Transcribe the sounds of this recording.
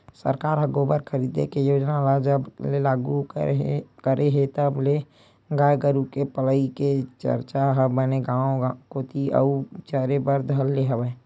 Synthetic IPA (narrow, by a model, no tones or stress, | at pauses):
sə̰ɾkaːɾɦəɡoːbəɾkʰəɾiːd̪ḛkejoːd͡ʒnalad͡ʒəblelaːɡu | kəɾʔeɦet̪əble | ɡaɡəɾukepələiket͡ʃə̰ɾt͡ʃaɦəbəneɡãːõkot̪ʰiʔə̰ut͡ʃəɾebəɾd̪ʱəlːeɦəbəe